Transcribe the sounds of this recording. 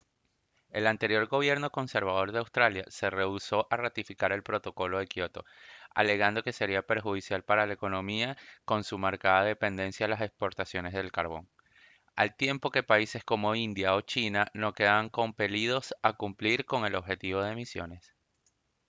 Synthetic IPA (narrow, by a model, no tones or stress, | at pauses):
e̞lant̪e̞ɾjo̞ɾɡo̞βje̞ɾno̞ko̞nse̞ɾβað̞o̞ɾðe̞awst̪ɾalja̰se̞re̞uso̞ʔarat̪ifikaɾe̞lpɾo̞t̪o̞ko̞lo̞ðekjo̞t̪o̞̰a̰le̞ɣand̪o̞ke̞se̞ɾiape̞ɾxuð̞isjalpaɾalaeko̞no̞miako̞nsumaɾkaðaðe̞pe̞nd̪e̞nsjaːlase̞kspo̞ɾt̪asjo̞ne̞zðe̞lkaɾβo̞̰ŋ | alt̪je̞mpo̞ke̞paise̞sko̞mo̞ind̪jao̞t͡ʃinano̞ke̞ðaaŋko̞mpe̞lið̞o̞sakumpliɾko̞ŋe̞lo̞βxe̞t̪iβ̞o̞ð̞emisjo̞̰ne̞s